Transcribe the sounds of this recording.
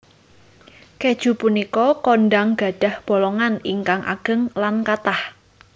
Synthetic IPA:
ked̥ʒ̥ṳpunikɔkɔnɖaŋɡ̥a̤ɖ̥a̤hb̥o̤lɔŋaniŋkaŋʔa̰ɡ̥ə̤ŋlankat̪ah

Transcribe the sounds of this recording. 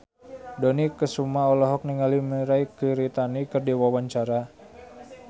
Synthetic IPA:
dɔnikəsumaɔlɔɦɔk̚niŋaliməɾaikəɾit̪anikərdiwawaɲt͡ʃaɾa

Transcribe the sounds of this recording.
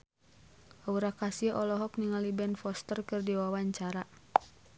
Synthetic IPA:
ʔauɾakasiʔɔlɔɦɔk̚niŋalibɛnfɔst̪ərkɨrdiwawaɲt͡ʃaɾa

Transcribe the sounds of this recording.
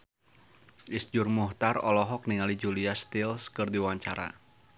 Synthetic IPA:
ʔisd͡ʒʊrmuht̪arɔlɔɦɔk̚niŋalid͡ʒuliast̪ilskərd̪iwaɲt͡ʃaɾa̰

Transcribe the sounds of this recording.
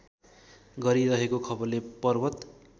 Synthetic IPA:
ɡʌɾiɾʌɦekokʰʌbʌrlepʌrbʌt̪

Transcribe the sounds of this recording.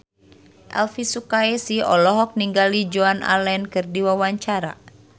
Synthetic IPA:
ʔɛ̰lfisukaɛsiɔ̰lɔɦɔk̚niŋɡalid͡ʒoanʔa̰lɛnkɨrdiwawaɲt͡ʃaɾa̰

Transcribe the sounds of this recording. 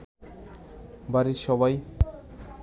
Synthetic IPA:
baɾiʃɔbaj

